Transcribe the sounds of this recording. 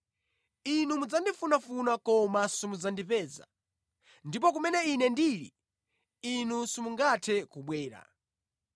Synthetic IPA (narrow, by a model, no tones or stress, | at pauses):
inumud͡zandifunafunakɔmasumud͡zandipɛːza̰ | ndip̬ɔk̬umɛnɛinɛndiːɾḭ | inusumuŋɡatʰɛkuɓwɛːɾa̰